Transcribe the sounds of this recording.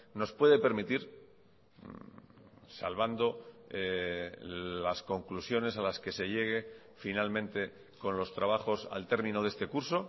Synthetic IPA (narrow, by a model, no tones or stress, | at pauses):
no̞spwe̞ðe̞pe̞ɾmit̪iɾ | sa̰lβand̪o̞e | lasko̞ŋklusjo̞ne̞salaske̞se̞ʎe̞ɣ̞e̞ | finalmẽ̞nt̪e̞ | ko̞nlo̞st̪ɾaβaxo̞sa̰lt̪e̞ɾmĩno̞ðe̞st̪ekuɾso̞